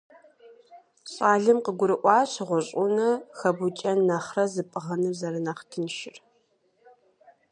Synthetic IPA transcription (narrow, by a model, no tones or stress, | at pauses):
ɕʼaːɮɨmqəɡʷʊɾɨʔʷɑːɕʁʷʊɕʼʊnɐxɐbut͡ʃʼɐnːaχrɐzɨpʼɨʁɐnɨzɐɾɨnaːχtʰɨnʃɪr